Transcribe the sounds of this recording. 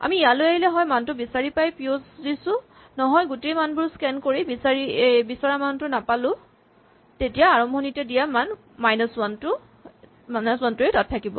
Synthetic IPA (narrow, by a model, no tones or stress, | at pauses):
a̰miːjalojaɦilɛɦɔjmantʊbisaɹipajpiosdisʊ | nɔɦɔjɡutejmanbʊɹskɛnkoɹibisaɹibisɔɹamantʊnapalʊ̃ | tetijaaɹɔmbʱɔnitɛdijaman | majnɔswantʊ | manɔswantʊetatʰːakibɔ̰